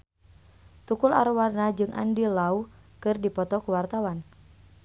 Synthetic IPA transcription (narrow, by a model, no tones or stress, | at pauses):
t̪ukula̰ɾwarnad͡ʒɨŋʔa̰ndilau | kɨrdipɔt̪ɔkuwart̪awan